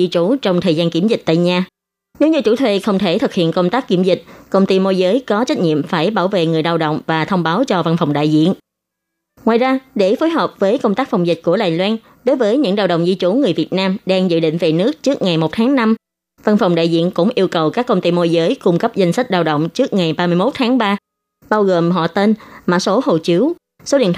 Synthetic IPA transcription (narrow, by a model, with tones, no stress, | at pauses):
zi˧t͡ɕu˧˩t͡ɕɔ˧wŋ͡mt̪ʰəː˨˩zaː˧nki˧˩mzï˨˩k̚t̪a̰ː˧˨jɲaː˧ | ne˨˦wɲɨ˧t͡ɕu˧˩t̪ʰwe˧˩xə˧wŋ͡mt̪ʰe˧˩t̪ʰɨ˨˩k̚hḭ˧˨ənkə˧wŋ͡mt̪aː˦˥k̚kːi˧˩mzï˨˩k̚kə˧wŋ͡mt̪i˧mo˧jzəː˨˦jkɔ˨˦t͡ɕa˦˥jk̚ɲḭ˧˨əmfaː˧˩jɓaː˧˩wvḛ˧˨ŋɨ˨˩əjɗaː˧wɗə̰˧˨wŋ͡mvaː˨˩t̪ʰə˧wŋ͡mɓaː˨˦wt͡ɕɔ˧va˧nfɔ˨˩wŋ͡mɗa̰ː˧˨jzḭ˧˨ən | ŋwa̰ː˨˩jzaː˧ɗe˧˩fo˨˦jɦəː˨˩p̚vəː˨˦jkə˧wŋ͡mt̪aː˦˥k̚fa˨˩wŋ͡mzi˨˩k̚ku˧˩əɗaː˨˩jlwaː˧n | ɗo˨˦jvəː˨˦jɲɨ̰˧˥ŋɗaː˧˩wɗə̰˧˨ŋ͡mzi˧t͡ɕu˧˩ŋɨ˨˩əjvi˨˩ət̚naː˧mɗaː˧ŋzɨ̰˧˨ɗḭ˧˨ŋ̟ve˨˩nɨ˦˥ək̚t͡ɕɨ˦˥ək̚ŋa˨˩jmo˨˩t̚t̪ʰaː˨˦ŋna˧m | va˧nfa˨˩wŋ͡mɗa̰ː˧˨jzḭ˧˨ənkʊ̰˧˥ŋ͡mʔi˧əwkə˨˩wkaː˦˥kːə˧wŋ͡mt̪i˧mo˧jzəː˨˦jkʊ˧ŋ͡mkə˦˥p̚za˧jŋ̟sa˦˥k̟̚ɗaː˧wɗə̰˧˨wŋ͡mt͡ɕɨ˦˥ək̚ŋa˨˩jɓaː˧mɨ˧jmo˦˥t̚t̪ʰaː˨˦ŋɓaː˧ | ɓaː˧wɣo˨˩mɦɔ̰˧˨t̪e˧nma̰ː˧˩so˨˦ho˨˩t͡ɕi˨˦w | so˨˦ɗḭ˧ənt̪